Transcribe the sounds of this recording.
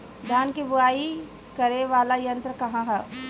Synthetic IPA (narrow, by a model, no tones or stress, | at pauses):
d̪ʱjaːnkibʊaːi | kɐɾeʋaːlajɐ̃nt̪ɾəkɐɦãɦɛ